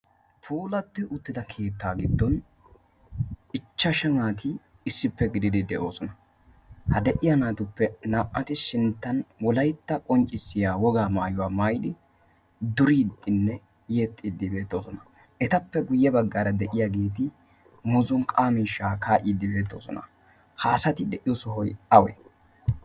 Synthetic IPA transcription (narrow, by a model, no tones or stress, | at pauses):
pʰuːlɐt̪ːɪʔʊt̪ːɪd̪ɐkʰe̞ːt̪ːaːɡɪd̪ːɔn | ɪt͡ʃːɐʃɐŋaːt̪ʰɪː | sːɪpːɛɡɪd̪ɪd̪ɪd̪ɛʔo̞ːsɔnɐ | hɐd̪ɛʔɪjɐnaːt̪ʊpːɛnɐʔʼːɐt̪ɪʃɪnt̪ːɐnwɔlɐjt̪ːɐkʼɔnt͡ʃʼːɪsːɪjaːwɔɡaːmaːjʊwaːmɐjd̪ɪ | d̪ʊɾiːd̪ːɪnːɛ | jeːt̪ʼːid̪ːɪbe̞ːt̪ːo̞ːsɔnɐ | ʔɛt̪ɐpːɛɡʊjːɛbɐɡːaːɾɐd̪ɛʔɪjaɡe̞ːt̪ɪ | mʊzɔnkʼaːmɪʃaːkaːʔɪːd̪ːɪbe̞ːt̪ːo̞̰ːsɔ̰nɐ̰ | haːsɐt̪ɪd̪ɛʔɪjɔsɔɦɔjɐwɛ̰